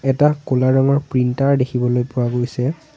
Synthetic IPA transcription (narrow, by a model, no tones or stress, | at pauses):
ɛtakolaɹɔŋɔɹpɹintaɹdekʰibɔlojpʊɹaɡojsɛ